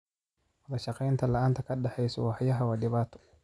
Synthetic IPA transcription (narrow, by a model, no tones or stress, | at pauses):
wɐðɐʃɑqɛjnt̪ʰɐlɐʔaːnt̪ʰɐkʰɐɖɛħɛjsɔ̰wɑħjɐɦɐwaɗɪβaːt̪ʰɔ̥